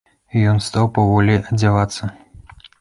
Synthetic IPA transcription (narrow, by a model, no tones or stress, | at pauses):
ijɔnst̪awpavɔlʲiʔɐd͡zʲavat̪sːɐ